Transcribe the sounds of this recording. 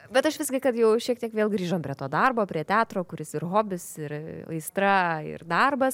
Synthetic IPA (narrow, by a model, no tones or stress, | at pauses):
bʲɛt̪ɐʃʋʲɪsʲɡʲɪkɐt̪jɛʊʃʲiɛk̚t̪ʲiɛkʋʲeːlˠɡɾʲiːʒoːmpʲɾʲiɛt̪oːd̪ɐrboːpʲɾʲiɛt̪ʲæːt̪ɾoːkʊɾʲɪsɪɾɦoːbʲɪsɪɾɐ̰ɪst̪ɾɐɪ̰rd̪ɐrbɐs